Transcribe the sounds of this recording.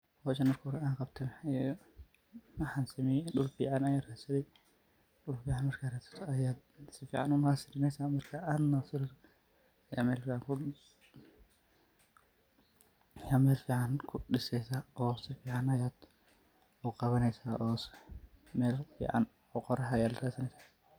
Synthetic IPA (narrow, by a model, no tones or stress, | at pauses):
wɔt͡ʃɐnɐkʰʊɾɛaːŋqɑbt̪ʰɐmɛ | mɐħansɐmɛjɗʊlfḭːʕanɐjaːrɛsɐðɛj | ɗʊlfiːʕanmɐrkʰarɛsɛ̥t̪ʰɔɐjaːd̪sɪfḭːʕanʊmɐhasɪɾɪnɛjsaːmɐrkʰɐaːnːɐsɪɾt | ɐja̰ːmɛːlfiːʕaŋkʰʊ | jaːmɛːlfiːʕankʰʊɗɪsɛjsaːʔɔːsɪfiːʕanɐjaːd̪̥ | ʊqɑβɐnɛjsaːʔɔːsmɛːlfḭːʕa̰n | ɔqɔɾɐɦɐjaːd̪rɛsɐnɛjsḁː